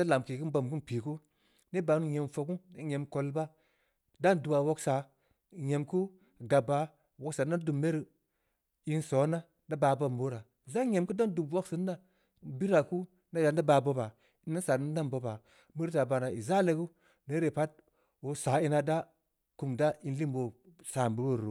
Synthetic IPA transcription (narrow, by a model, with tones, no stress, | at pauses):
a˦la˨mki˨ku˦ba˨mku˦pi˨ku˦ | ne˦ba˨˦nu˦ɲe˨mfo˨ku˦ne˦ɲe˨˦mko˦lba˦ | da˦ndu˨wa˨wo˦ksa˨ | je˨mku˦ | ɡa˨bːa˨ | wo˨ksa˨na˦du˨mːe˦ɾi˨ | i˦nso˨˦na˦ | da˦baː˨ba˨mbo˦ɾa˨ | za˦ɲe˨mku˦da˦ndu˨bwo˦ksi˨˦n˦da˦ | bi˦ɾa˨ku˦ | na˦da˨n˦da˦ba˨bo˦ba˨ | i˨˦na˦sa˨ni˦da˦nbo˨ba˨ | mi˦ɾta˨ba˨na˨i˨za˦le˨˦ɡu˦ | ne˦ɾe˨pa˦t̚ | wo˨˦sa˨˦i˦na˨da˦ | ku˨mda˦i˦nli˦mbo˨sa˨mbu˨ɡo˦˨ɾo˨˦